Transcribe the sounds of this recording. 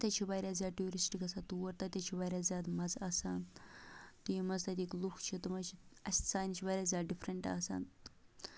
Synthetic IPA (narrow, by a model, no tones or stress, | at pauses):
t̪ʲɐt͡ʃʰibɐːɾʲaːzʲaːʈuɾisʈikɐsat̪uɐɾt̪ɐt̪ʲɐt͡ʃʰibɐɾʲaːzʲjaːt̪mɐzaːsaːn | t̪ijmɐzt̪ɐt̪ʲiːkluxt͡ʃʰit̪ɨmɐt͡ʃʰiɐsʲt̪saːjnit͡ʃʰibɐɾʲaːzʲaːɖifɾɐɳʈa̰ːsa̰ːn